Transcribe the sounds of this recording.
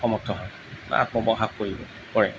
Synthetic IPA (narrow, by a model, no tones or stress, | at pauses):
ɔmɔtʰɔɦɔj̰ | a̰t̚mɔbɔɦakkoɹibɔ̰ | pɔɹɛ̰